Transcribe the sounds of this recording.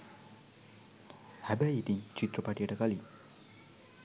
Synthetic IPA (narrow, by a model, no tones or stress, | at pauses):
hæbæit̪iɲt͡ʃit̪rəpaʈijəʈəkali